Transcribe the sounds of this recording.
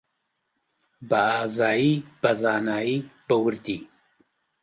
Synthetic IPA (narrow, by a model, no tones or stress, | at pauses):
bɐaːzaːjiːb̥ɐzaːnaːjib̥ɐwɨɾd̪iː